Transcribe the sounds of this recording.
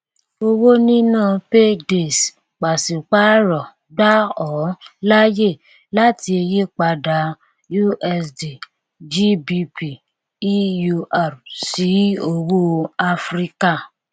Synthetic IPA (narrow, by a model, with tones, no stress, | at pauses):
o˧wo˦nĩ˦nã˦˨pe˦de˨s | k͡pa˨si˨k͡pa˦ɾɔ˨ | ɡ͡ba˦ɔ˨˦la˦je˦˨ | la˦ti˧e˧je˦k͡pa˧da˨˦ | ju˦ʔɛ˧sdi˨ | d͡ʒi˦bi˧pi˨˦ | ju˧a˨ɾsi˨˦o˧wo˦a˧fɾi˦ka˦˨